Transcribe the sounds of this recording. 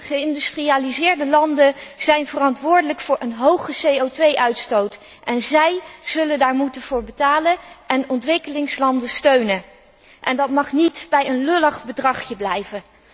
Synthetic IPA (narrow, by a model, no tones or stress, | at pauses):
χəɪndystriaːlizɪːɹdəlɑndəz̥ɛjnvərɑntʋʊːɹdələkfʊːɹʔənɦowχəsejowtʋejʔœɥtstowt | ʔɛnzɛjz̥ɵləndaːɹmutənv̥ʊːɹbətaːlənʔɛnɔntʋɪkəlɪŋslɑndəstøɥnə | ʔɛndɑtmɑχnitb̥ɛjənlølɑχbədrɑχjəblɛjvə